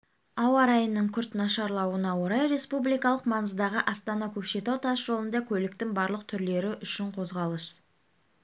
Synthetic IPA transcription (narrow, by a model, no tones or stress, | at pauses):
ɑwɑɾɑjənːəɴkʲʰʏɾt̪nɑʃɑɾlˠɑwənɑwo̞ɾɑjɾe̞spublijkɑlˠəqmɑnəzd̪ɑʁəʔɑst̪ɑnɑkʲʰɵpʃe̞t̪ɑwt̪ʰɑsʒ̥o̞lˠənd̪ɑkʲʰɵlɪk̚t̪ɪŋbɑɾlˠəq̚t̪ʰʏɾle̞ɾɪʔʏʃɪɴqʰo̞zʁɑlˠəs